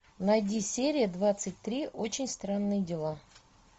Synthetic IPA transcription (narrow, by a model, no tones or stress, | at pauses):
nɐjdʲisʲeɾʲɪjəd̪vat̪sɨt̚ʲt̪ɾʲiʔot͡ɕɪnʲst̪ɾanːɨjədʲɪlˠa